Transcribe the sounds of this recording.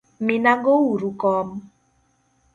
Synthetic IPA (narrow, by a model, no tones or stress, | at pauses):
minaɡowuɾukɔm